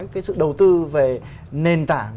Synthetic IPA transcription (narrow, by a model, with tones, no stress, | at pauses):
jkaː˨˦jsɨ̰˧˨ɗə˨˩wt̪ɨ˧ve˨˩ | ne˨˩nt̪aː˧˩